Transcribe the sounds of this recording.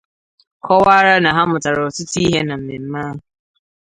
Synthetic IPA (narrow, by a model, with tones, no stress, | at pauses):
kʰɔ˦wa˦ɾa˦na˨ɦa˦mʊ˨ta˨ɾa˨o˨tʊ˦ti˦ɦe˦na˨m̩˨nɪ˨m̩˦ma˦ɦʊ˨